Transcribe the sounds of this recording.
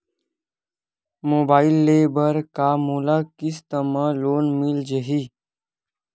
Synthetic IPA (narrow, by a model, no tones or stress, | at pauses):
moːbaːɪilːeːbəɾkaːmuːlaːkis̬t̪əmaloːnmild͡ʒeɦi